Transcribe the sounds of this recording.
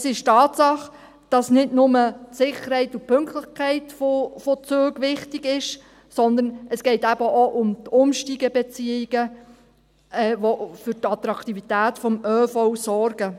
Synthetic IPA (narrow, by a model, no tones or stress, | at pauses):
sɪʃtɑːtsɑχ | d̥ɑsnɪdnʊmətsɪχəɾhɛɪtʊpʰʏŋktləχkʰɛɪtfofot͡søːɡʋɪχtiɡɪʃ | sɔnd̪ənɛsɡ̥ɛɪtæbəʔoʔʊmtʊmʃtiɡɛbɛt͡siɪɡ̥ə | ɛːʋofʏɾtɑt̪ɾɑktivitæːtfɔmøːfɔʊsɔɾɡə